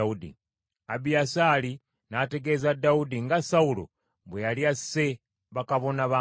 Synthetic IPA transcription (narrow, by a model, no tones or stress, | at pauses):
udḭ | abiasaːli | nate̞ɡe̞zadaudiŋɡasawulo̰ | βwejalijase̞ | βakaβo̞naβaː